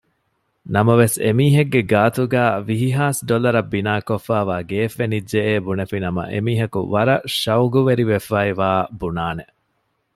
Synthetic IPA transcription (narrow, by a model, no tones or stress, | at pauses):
nɐmɐʋesemiːɦeɡːeɡaːt̪uɡæːʋiɦiɦaːsɖolɐɾɐbːinaːkofːæːʋaːɡeːfːenid͡ʒd͡ʒeeːbunefinɐmɐ̰ʔḛmiːɦɐkṵʋɐɾɐʃɐwɡuʋeɾiʋefːaiʋaːbunaːne